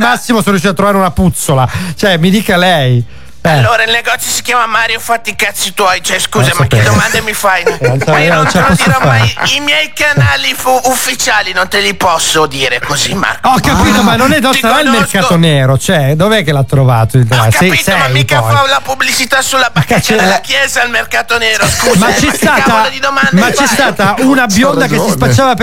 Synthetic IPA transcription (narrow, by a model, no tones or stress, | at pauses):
masːimosonoɾjuʃit̪at̪ːɾovaɾeunaput̪solat͡ʃoɛmid̪iːkalɛj | aɛlːoːɾailneɡɔt̪sːjosi̥kjaːmamaːɾjofat̪ːikat̪sːit̪wɔjt͡ʃɛskuːzasmaped̪omand̪emifajnonsat͡ʃelapɔsːoɾomaaɾimjɛjkanaːlifuufːit͡ʃaːlinont̪elipɔsːod̪iːɾekozima̰kɔkːapiːt̪omanːonɛd̪ɔsaailmerkaːt̪oneːɾot͡ʃɛd̪oveɛkːelat̪ːɾovaːt̪ot̪ɾasiisɛikɔalapublit͡ʃit̪asulːabakːat͡ʃelakjɛːzalmerkat̪oneːɾoskumat͡ʃːɛst̪aːt̪ad̪id̪omandmmat͡ʃːɛst̪aːt̪aunabjond̪akessispat͡ʃːaːvap